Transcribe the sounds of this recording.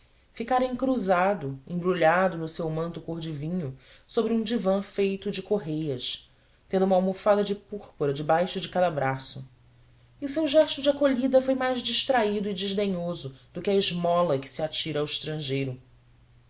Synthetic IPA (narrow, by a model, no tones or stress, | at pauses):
fikaɾɐĩŋkɾuzad̪ʊẽbɾuʎad̪ʊnʊsewmɐ̃nt̪ʊkoɦd͡ʒivĩɲʊsobɾũd͡ʒivɐ̃fejt̪ʊd͡ʒɪkoɦejɐs | t̪ẽnd̪ʊũmɐawmofad̪ɐd͡ʒɪpuχpoɾɐd͡ʒɪbajʃʊd͡ʒɪkad̪ɐbɾasʊ | iʊsewʒɛʃt̪ʊd͡ʒɪakoʎid̪ɐfojmajʒd͡ʒiʃt̪ɾaid̪ʊɪd͡ʒɪʒd̪eɲozʊd̪ʊkʲɪɐiʒmɔlɐkɪ̥siat͡ʃiɾɐːwɪʃt̪ɾɐ̃ʒejɾʊ